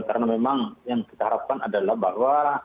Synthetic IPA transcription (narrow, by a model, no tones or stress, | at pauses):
kaɾnamemaŋjaŋkit̪aɦaɾap̚kanadalahbaɦwa